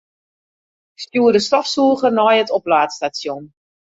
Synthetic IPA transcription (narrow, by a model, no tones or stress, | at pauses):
ɪkstuərdəstɔfsuəχərnɔjətɔplaːtstasjon